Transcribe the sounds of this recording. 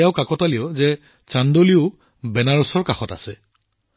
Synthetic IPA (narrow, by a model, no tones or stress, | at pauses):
jaʊkakɔtaliɔzɛ | t͡ʃandoliʊ | bɛnaɹusɔɹkaxɔta̰sɛ